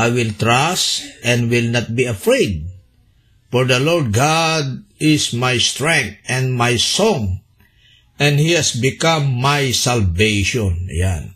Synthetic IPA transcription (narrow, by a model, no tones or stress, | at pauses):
ʔajwɪlt̪ɹasʔɛ̃nwɪlnat̪̚biɐfɹejd̪̚ | fɔɹd̪ɐlɔɹd̪̚ɡad̪̚ɪsmajst̪ɹɛ̃ŋk̚t̪ɛ̃ndmajsɔ̃ŋ | ɛ̃nd̪hihɛsbɪkãmːajsalvejʃɔ̃nja̰n